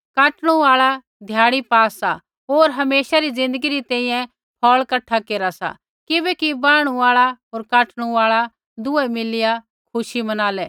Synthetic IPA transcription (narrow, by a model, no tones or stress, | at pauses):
kaːʈɽ̃ũaːɭa | d̪ʱjaːɽ̃ipaːsa | ɦoːɾɦɐmeːʃaɾid͡zɪ̃nd̪əɡiɾit̪ɛ̃ːĩːjɛ̃ | pʰɔːɭkɐʈʰːakeːɾasa̰ | kɪbɛkibaːɽ̃ũaːɭaɦoːɾkaːʈʰɽ̃ũaːɭa | d̪ʊɛmɪlɪja | kʰʊʃimɐnaːlɛ